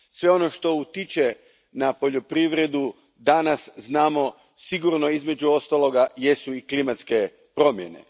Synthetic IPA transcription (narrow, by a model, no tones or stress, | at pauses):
sʋe̞o̞no̞ʃt̪o̞ut̪it͡ʃe | napo̞ʎo̞pɾiʋɾe̞d̪u | d̪anasznaːmo̞ | siɡuɾno̞izme̞d͡ʑuo̞st̪alo̞ɡajesuiklimat̪ske̞ | pɾo̞mjḛne̞̰